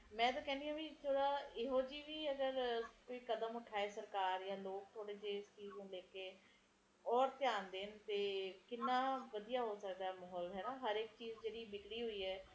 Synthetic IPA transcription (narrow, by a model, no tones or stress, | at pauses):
mɛ̃ːt̪̬ãːkɛ̃ːnd̪ijãːbiːt̪ʰoːɽaːɪɦoːd͡ʒiːʋiːəɡəɾkoːiːkəd̪əmʊʈʰaːeːsəɾkaːɾjãːloːk̚t̪ʰoːɽeːd͡ʒeːɪst͡ʃiːz̃ːlɛːkeː | ɔːɾt̪jaːnd̪eːnt̪eːkɪnːãːʋəd̪ijaːɦoːsəkd̪aːɛmɔɦɔːlɦɛɦəɾekt͡ʃiːzd͡ʒeːɽiːmɪkɽiːɦoiːɛː